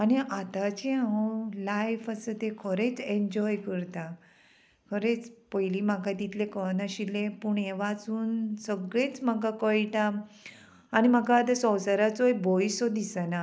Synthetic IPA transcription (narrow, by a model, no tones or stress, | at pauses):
añiat̪at͡ɕiaɔlajfasət̪ekʰəɾet͡seɲd͡ʑɔjkəɾt̪a | kʰəɾet͡spəjlimaɡat̪it̪lekənəɕilẽpuɳeʋat͡suːnsəɡɭet͡sməɡakəjʈaː | niməɡat̪asɔwsəɾat͡sojbɔjsɔd̪isəna